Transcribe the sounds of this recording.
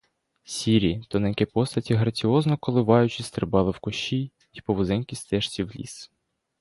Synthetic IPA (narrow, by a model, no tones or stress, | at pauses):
sʲiɾʲit̪ɔnɛkɛpɔst̪ɐtʲiɦɾɐt͡sʲiɔznɔkɔlˠɪʋɑjʊt͡ʃisʲt̪ɾɪbɑlˠɪwkɔʃij | ipɔʋɔzɛnkʲist̪ɛʃt͡sʲiwlʲḭs